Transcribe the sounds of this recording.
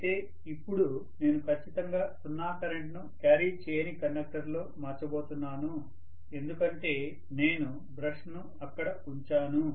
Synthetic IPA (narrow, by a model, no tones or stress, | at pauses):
t̪eː | ipːuɽu | ne̞ːnukʰɐt͡ʃːit̪ɐŋɡaːsunːaːkɐɾeɳʈnukjaːɾiːt͡ʃeːjɐnikɐnːɐk̚ʈɐɾlo̞ːmaːt͡ʃːɐbo̞ːt̪unːaːnu | e̞nd̪ukɐɳʈe̞ː | ne̞ːnu | bɾɐʂnu | ɐkːɐɽɐ | uɲt͡ʃaːnu